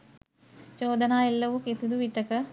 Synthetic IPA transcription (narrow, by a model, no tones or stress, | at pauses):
t͡ʃoːd̪ənaːilːəʋukisud̪uʋiʈəkə